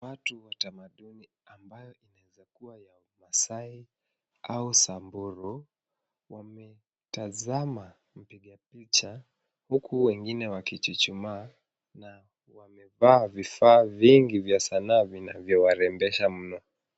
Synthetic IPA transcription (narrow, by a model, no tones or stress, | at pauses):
watuwatamaɗuni | ambajɔinaɛzakuwajaumasai | ausambuɾɔ | wamɛ | tazama | m̩piɠapit͡ʃa | hukʰuwɛŋɡinɛwakit͡ʃit͡ʃumaː | na | wamɛvaːvifaːviŋɡivjasanaːvinavjɔwaɾɛmbɛʃam̩nɔ